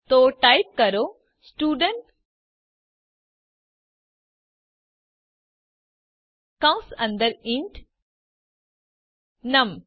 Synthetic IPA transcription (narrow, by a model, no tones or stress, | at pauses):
t̪oːʈajp̚kɐɾoː | sʈuːɖəɳʈ | kɐ̃wsɐ̃nd̪əɾiɳʈ | nɐm